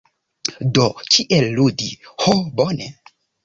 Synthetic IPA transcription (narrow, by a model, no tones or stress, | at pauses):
dot͡ʃiʔelːudihobone